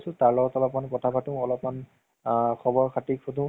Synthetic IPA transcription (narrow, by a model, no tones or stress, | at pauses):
sʊ̃taɹlɔɡɔtɔlɔpmankɔtʰapatʊ̃ɔlɔpman | kʰɔbɔɹkʰatikʰodũ